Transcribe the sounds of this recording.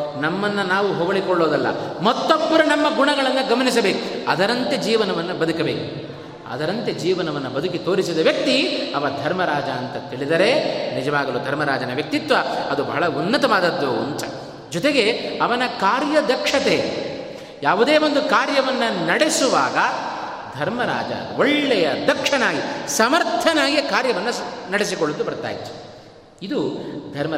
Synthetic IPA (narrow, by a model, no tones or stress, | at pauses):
nɐmːɐnːɐnaːʋuɦɔʋɐɭikɔɭːo̞ːd̪ɐlːɐ̰mɐt̪ːobːɐɾɐnɐmːɐɡuɳɐɡɐɭɐnːɐɡɐmɐnisɐbe̞ːkuɐd̪ɐɾɐnt̪e̞d͡ʒiːʋɐnɐʋɐnːubɐd̪ʱukɐbeːku | ɐ̰d̪ɐɾɐnt̪e̞d͡ʒiːʋɐnɐʋɐnːubɐd̪ukit̪oːɾisid̪ɐʋjɐk̚t̪iɐʋɐd̪ʱɐɾmɐɾaːd͡ʒɐːnt̪ɐt̪iɭid̪ɐɾe̞nid͡ʒɐʋaːɡɐluːd̪ʱɐɾmɐɾaːd͡ʒɐnɐʋjɐk̚t̪it̪ʋɐɐd̪ubɐ̰ɦɐɭɐunːɐt̪ɐʋaːd̪ɐd̪ːuunt̪ɐ | d͡ʒɔt̪eɡe̞ɐʋɐnɐkaːɾjɐd̪ɐkʂɐt̪eː | jaːʋud̪e̞ːʋo̞nd̪ukaːɾjɐʋɐnːɐnɐɽesuʋaːɡɐ | d̪ʱɐɾmɐɾa̰ːd͡ʒɐ̰uoɭːɛjɐd̪ɐkʂɐnaːɡisɐmɐɾt̪ʰɐnaːɡikaːɾjɐʋɐnːɐnɐɽes̬ikoɭːud̪ubɐɾt̪a̰ːjit̪ːu̥ | id̪ud̪ʱɐɾmɐ